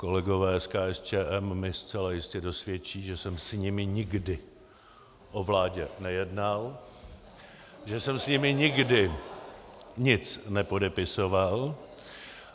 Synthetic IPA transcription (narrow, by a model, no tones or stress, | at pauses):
ko̞lɛɡo̞vɛːskaːɛst͡ʃɛːʔɛmːɪst͡sɛlajɪscɛdo̞svjɛt͡ʃiːʒɛsɛmsɲɪmɪɲɪɡdɪ | ʔo̞vlaːɟɛnɛjɛdnal | ʒɛsɛmsɲɪmɪɲɪɡdɪ | ɲɪt͡snɛpo̞dɛpɪso̞val